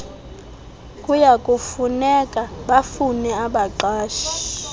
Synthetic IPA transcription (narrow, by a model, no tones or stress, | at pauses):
kʼujakʼufunɛkʼaɓafunɛaɓaǃaːʃi̥